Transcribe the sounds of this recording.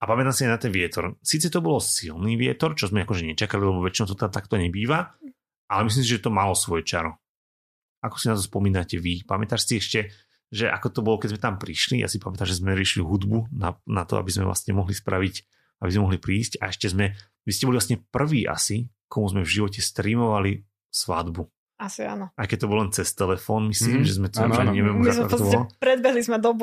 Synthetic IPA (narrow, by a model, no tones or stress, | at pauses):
apamɛt̪amsiajnat̪ɛnʋɪɛt̪ɔɾsiːt͡sɛt̪ɔbɔlɔsilniːʋɪɛt̪ɔɾt͡ʃɔzmɛakɔʒɛɲɛt͡ʃakalilɛbɔʋɛt͡ʃinɔʊt̪ɔt̪ɛat̪akt̪ɔɲɛbiːʋa | ʔalɛmis̬limsiʒɛt̪ɔmalɔsʋɔjɛt͡ʃaɾɔ | akɔ̥sinat̪ɔspɔmiːnacɛʋipamɛt̪aːʃsiɛʃcɛ | ʒɛʔa̰kɔt̪ɔbɔlɔkɛɟzmɛt̪ampɾiʃlijʔa̰sipamɛt̪amʒɛzmɛɾiɛʃiliɦud̪bunanat̪ɔ̰a̰bizmɛ̰vlʔa̰sɲɛmɔɦlispɾaʋic | abizmɛmɔɦlipɾiːsca̰ɛʃcɛzmɛ | ʋiscɛbɔliʋlasɲɛpr̩ʋiːʔa̰sikʰɔmuzmɛvʒiʋɔcɛst̪ɾiːmɔʋali | sʋa̰d̪bu | asia̰ːnɔaɪkɛc̚t̪ɔbɔllɛnt͡sɛst̪ɛlɛfɔːnmisliːmʒɛzmɛt̪ɔʃɛɲɪɛʋɛmuazmɛk̪ɔɔapɾɛd̪bɛɦlizmɛd̪ɔb